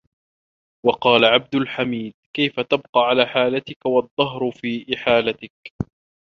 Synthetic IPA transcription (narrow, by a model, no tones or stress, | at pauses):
wɑqɑːlaʕab̚d̪ʊlħamiːd̪̚kajfat̪abqɑːʕalaːħaːlat̪ɪkawɑd̪ˤːɑɦɾʊfiːʔɪħaːlat̪ɪk̚